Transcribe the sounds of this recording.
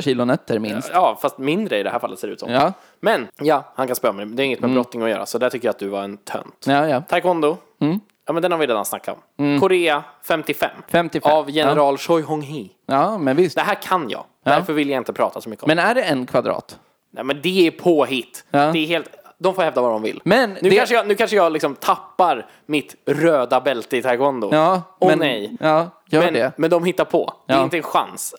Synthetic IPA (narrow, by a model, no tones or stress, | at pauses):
ɕiːlʊnɛt̪ːəɾmɪnstjɑːfast̪mɪnd̪ɾəɪd̪ɛɦæːɾfalːət̪seːɾʉːt̪sɔ̰mɑː | mɛnjɑːhankʰanspœːɾamɛjd̪ɛːɾɪŋːət̪mɛbɾɔt̪nɪŋɔjœ̰ːɾa̰sɔd̪ɛæʈʰʏkːəjat̪̚d̪ɵvaɾɛnt̪ʰœ̰nt̪ɑjɑt̪ʰːaɾkɔnd̪ʊ | jɑːmɛnd̪ɛnhaɾvɪɾeːd̪ansnakːaɔ̰mkʰʊɾeːafɛmt̪ɪfɛ̰mːfɛmt̪ɪfɛavjɛnɛɾɑːlʂɔjɦɔŋɦi | ɑmɛnvɪst̪d̪ɛɦæːɾkʰanjɑ̰ː | d̪æɾfœɾvɪljaɪnt̪əpʰɾɑ̰ːt̪ʰasɔmʏkːəɔ̰mɛnæɖɛɛnkʰvad̪ɾɑ̰ːt̪ | nɛmɛnd̪ɛæɾpʰoːɦɪt̪ːd̪ɛːɾɦeːlt̪d̪ɔmfoːɾhɛvd̪avad̪ɔmvɪ̰lmɛnʉːkanʂəjɑnʉ̟ːkʰanʂəjɑːlɪksɔmt̪ʰapːaɾ | mɪt̪ɾøːd̪abɛlt̪əɪt̪ʰaɡɔnd̪ʊɔnɛjɑːjœːmɛnɖɛmɛnd̪ɔmɦɪt̪ːaɾpʰɔ̰d̪ɛɪnt̪əɛnɧa̰ns